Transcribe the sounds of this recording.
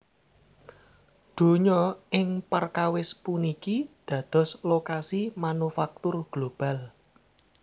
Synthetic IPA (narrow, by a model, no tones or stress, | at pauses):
d̪̥o̤ɲɔɪŋpərkawɪspunikid̪̥ä̤d̪̥ɔ̤slokasimanufak̚t̪ʊrɡ̥lob̥a̤l